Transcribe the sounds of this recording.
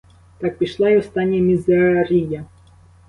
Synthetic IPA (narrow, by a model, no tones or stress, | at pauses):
t̪ɑk̚pʲiʃlˠɑiɔst̪ɑnʲːmʲizeɾʲijɐ